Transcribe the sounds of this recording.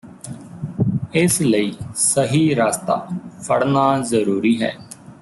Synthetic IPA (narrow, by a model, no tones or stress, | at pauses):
ɪsləiːsəɦiːɾaːst̪a̰ːpʰəɽnaːzəɾuːɾiːɦɛ̰ː